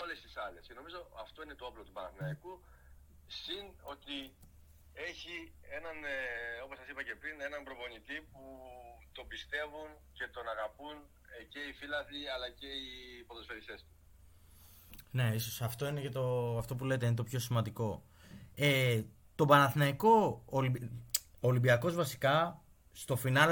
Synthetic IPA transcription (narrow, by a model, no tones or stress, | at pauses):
o̞le̞st̪isɐlesce̞no̞mizo̞ɐft̪o̞ine̞t̪oɐplot̪ubɐnɐθnɐiku | sino̞t̪i | e̞çie̞nɐno̞po̞sɐsipɐce̞pɾine̞nɐmbɾo̞vo̞ɲit̪iput̪o̞bist̪e̞vun | ce̞t̪o̞nɐɣɐpun | ce̞ifilɐθiɐlɐce̞ipoðosfeɾise̞st̪u̥ | ne̞iso̞sɐft̪o̞inecet̪o̞ɐft̪o̞p̬ule̞t̪einet̪o̞pço̞simɐnd̪iko̞ | e | t̪o̞bɐnɐθnɐiko̞ːlibiolimbiɐko̞zvɐsi̥kɐ | st̪o̞finɐl